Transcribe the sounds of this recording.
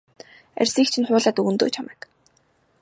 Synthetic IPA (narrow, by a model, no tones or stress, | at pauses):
æ̰rʲsiːkt͡ɕʰĭnχʊːɮaːt̪unt̪o̰ːt͡ɕʰamɛːk